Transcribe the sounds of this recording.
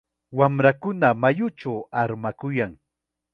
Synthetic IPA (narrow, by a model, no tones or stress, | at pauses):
wamɾakʊnamajʊt͡ʃawaɾmakʊjaŋ